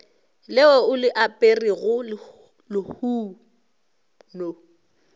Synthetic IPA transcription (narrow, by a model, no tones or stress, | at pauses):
lɪɔʊlɪʔapʼeriɣʊ | lɪhuː | no